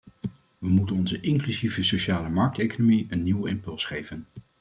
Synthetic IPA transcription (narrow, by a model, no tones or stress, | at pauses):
ʋəmutənɔnzəʔɪŋklyzivəsoʃaːləmɑɹk̚tejkonomiənːiwɪmpɵlˠsχejvən